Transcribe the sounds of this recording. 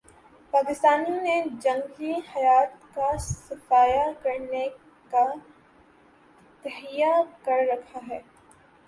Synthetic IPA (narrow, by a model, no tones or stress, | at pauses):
paːkɪst̪aːnined͡ʒɐ̃ŋɡlihɐjaːt̪kasɐfaːjakɐɾne | ka | t̪ɛɦijakɐɾɾɐkʰaɦɛː